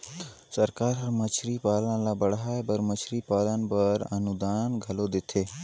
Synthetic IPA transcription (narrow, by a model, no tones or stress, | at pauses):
səɾkaːɾɐɾmət͡ʃʰɾiːpaːlə̃nlaːbəɽɦaːebəɾmət͡ʃʰɾiːpaːlənbəɾɐ̰nud̪aːnɡʱɐlod̪ɪt̪ʰeː